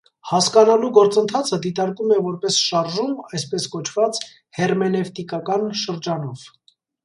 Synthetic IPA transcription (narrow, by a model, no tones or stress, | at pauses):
hɑskɑnɑluɡɔɾt͡sənt̪ʰɑt͡sʰəd̪it̪ɑɾkumɛvɔɾpɛsʃɑɾʒumɑjspɛskɔt͡ʃʰvɑt͡s | hɛrmɛnɛft̪ikɑkɑnʃəɾd͡ʒɑnɔv̥